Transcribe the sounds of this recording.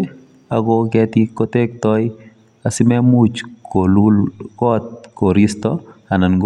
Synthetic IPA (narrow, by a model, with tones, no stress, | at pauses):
aɡo˦kɛt̪ikot̪e˦k̚t̪ɔj | a˨sɪ˦mɛ˦mu˦t͡ʃkolukɔ˦t̪̚ko˨ɾist̪ɔa˨na˨nɡ